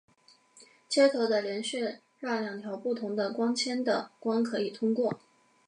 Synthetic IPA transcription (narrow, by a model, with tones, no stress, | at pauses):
t͡ɕʰjɛ˥t̪ʰo˧˥ʊd̪ə˧ljɛ˧˥nɕɛ˥˧ | ɻɑ˥˩ljɑ˨˩ŋt̪ʰjɑ˧˥ʊpu˥˩t̪ʰʊ˧˥ŋd̪ə˧kwɑ˥ŋt͡ɕʰjɛ˥nd̪ə̰˨˩kwɑ˥ŋkʰɤ˧˥i˨˩t̪ʰʊ˥ŋkwɔ˥˩